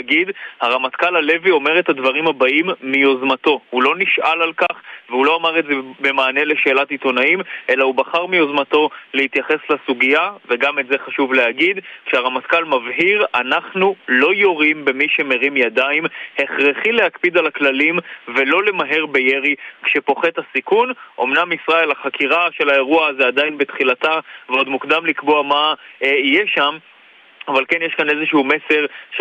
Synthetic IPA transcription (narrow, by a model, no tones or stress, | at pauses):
ɡidhaʁamat̪kalale̞vio̞me̞ʁet̪hadvaʁimhabaʔimːio̞zmat̪o̞hulo̞niʃʔalalkaχveulo̞amaʁe̞tzebe̞maːne̞le̞ʃe̞ːlatit̪o̞naimʔe̞lahubaχaʁmio̞zmato̞lehit̪jaχe̞slasuɡijaveɡametze̞χaʃuvleaɡid̪kʃeaʁamat̪kalmavɦiʁanaχnulo̞jo̞ʁimbe̞miʃe̞me̞ʁimjadaimhe̞χʁeχilehakpid̪alaklalimve̞lo̞le̞maɦe̞ʁbe̞jeʁikʃepo̞χe̞thasikunʔo̞mnamisʁae̞laχakiʁaʃe̞lae̞ʁuazead̪ainbet̪χilataveo̞d̪mukd̪amlikbo̞amaijeʃam | avalke̞njeʃkane̞zeʃuume̞se̞ʁʃ